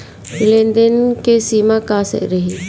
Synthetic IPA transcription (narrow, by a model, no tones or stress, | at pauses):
ɪlend̪ənkesiːmakasɛ̰ʔɾəɦi